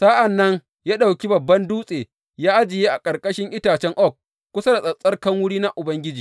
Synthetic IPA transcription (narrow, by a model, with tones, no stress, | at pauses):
saː˦ʔa˨nːɐ˦ŋ | jaː˦ɗa˨wkʲi˦bɐ˨bːɐ˦nduː˦sʼeː˨ | jaː˦ʔa˦d͡ʒɪ˨jeː˦ʔa˨kʼɐ˨rkʼɐ˦ʃɪ˦ŋʔɪ˦taː˨t͡ʃɛ˦ŋʔɔ˦˨k̚ːʷ | ʊ˦sa˦da˨sʼɐ˨sʼɐ˦rkɐ˦ŋwʊ˦ɽiː˦na˦ʔʊ˨bɐ˦ŋɡʲɪ˦d͡ʒiː˨